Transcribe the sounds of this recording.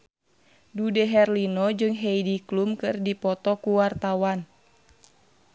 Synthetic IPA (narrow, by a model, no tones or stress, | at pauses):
dudɛɦɛrlinɔd͡ʒɨŋɦeidiklumkɨrdipɔt̪ɔkuwart̪awan